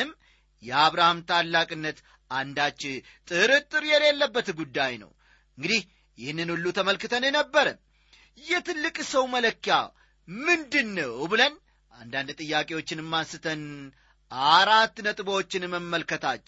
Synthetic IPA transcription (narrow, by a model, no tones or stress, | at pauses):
ɨm | jɛaβɾahamt̪ʰalːakʼɨnːət̪ | ʔand̪at͡ʃːɪ | t̪ʼɨɾɨt̪ʼːɨɾjɛle̞lːəbːət̪ɡud̪ːajnə̰w | ɨŋɡɨd̪ih | jɪhɨnːɨnulːut̪ʰəməlkɨt̪ʰənjɛnəbːəɾəm | jɛt̪ɨlːɨkʼsəwmələkːja̰ | mɨnd̪ɨnːəwbɨlən | ʔand̪and̪t̪ʼɨjːakʼe̞wo̞t͡ʃːɪnɨmːansɨt̪ʰən | ʔaɾat̪ːnət̪ʼɨbowot͡ʃːɪnmːəmːəlkət̪ʰat͡ʃː